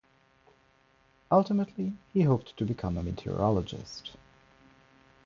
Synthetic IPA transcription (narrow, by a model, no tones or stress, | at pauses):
ʌlˠtəmətʰlihiɦoʊp̚tʰɨbɨkʰʌ̃məmɨtʰḭɹḭɑlˠəd͡ʒɪ̰st